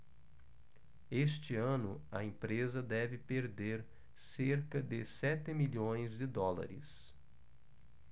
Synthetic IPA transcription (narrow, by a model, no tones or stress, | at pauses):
est͡ʃɪɐ̃nʊ̰ɐ̰ẽpɾezɐd̪ɛvɪpeɾd̪eɾ | seɾkɐd̪ɪsɛt̪ɪmiʎõj̃zd̪ɪd̪ɔlɐ̰ɾɪ̰s